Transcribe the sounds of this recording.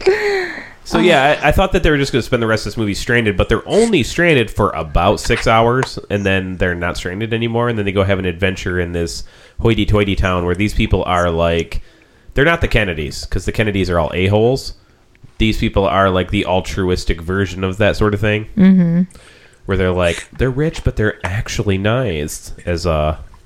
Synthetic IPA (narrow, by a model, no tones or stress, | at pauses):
soʊjæaɪʔaɪθɔt̪̚ðɨt̪̚ðeɪwə˞d͡ʒʌsɡ̥ʌnɨspɛ̃nðəɹɛstʌvðɪsmuvistɹ̥æ̃ɪ̃ndɨd̚bʌt̪̚ðə˞ʔõʊ̃nlistɹ̥æ̃ndɨd̥fə˞ʔə̰baʊtsɪksaʊə˞z̥ɨ̃nðɨ̃nðə˞nə̰tstɹ̥æ̃ndɨɾɛnimɔɹɨ̃nðɨ̃nðeɪɡoʊɨvɨ̃nɨdvɛ̃nt͡ʃə˞ɪ̃nðɪs | hɔɪɾitʰɔɪɾitʰãʊ̃nwə˞ðiz̥pʰipl̩ˠə˞laɪk | ðə˞nət̪̚ðɨkʰɛnɨɾḭz̥kʰʌzðɨkʰɛnɨɾizə˞ɔ̰lˠʔḛɪɦoʊlˠz̥ | ðiz̥pʰipl̩ˠə˞laɪk̚ðiʔʌlˠtʰɹ̥ʉɪstɨkvɜ˞ʒɨ̃nʌvðɨtsɔɹɾʌv̥θɪ̃ŋm̩m̥m̩ | wə˞ðə˞laɪkðə˞ɹɪt͡ʃb̥ʌt̪̚ðə˞ʔæk̚t͡ʃul̩ˠinaɪz̥ʔɨzʌ